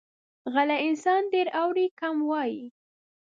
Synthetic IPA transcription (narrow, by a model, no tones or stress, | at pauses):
ɣalaɪnsɑnɖeɾawɾikamwɑji